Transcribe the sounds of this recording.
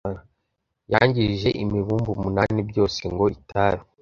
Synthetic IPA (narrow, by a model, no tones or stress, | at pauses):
ja̰ɲɟiʒe̞ʔimiβuːmbumunaːnibɟo̞ːse̞ŋɡo̞itʰaɾi